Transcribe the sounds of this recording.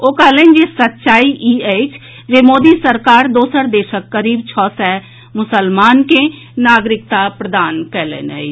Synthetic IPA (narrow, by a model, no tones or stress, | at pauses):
oːkəlẽːnd͡ʒesət̪ːʃaːiʔiːeːt͡ʃ | d͡ʒemoːd̪isəɾkaːɾd̪oːsəɾd̪eːʃəkːəɾiːbt͡ʃʰɔːsɛ | mʊsəlmaːnke | naːɡɾɪk̚t̪apɾəd̪aːnkɛɦlḛ̃ːnɛ̰i